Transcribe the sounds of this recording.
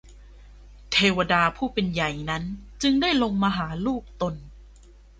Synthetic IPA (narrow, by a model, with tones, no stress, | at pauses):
t̪ʰeː˧wa˧daː˧pʰuː˥˩pe˧nja˨˩jna˦˥nt͡ɕɯ˧ŋdaː˥˩jlo˧ŋmaː˧ɦaː˩˦luː˥˩k̚t̪o˧n